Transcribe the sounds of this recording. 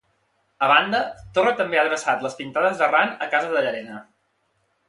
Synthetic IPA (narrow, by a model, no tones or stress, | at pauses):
əβand̪ət̪ornət̪əmbeaðɾəsat̪ləspint̪aðəzðəranəkazəðəʎəɾɛnə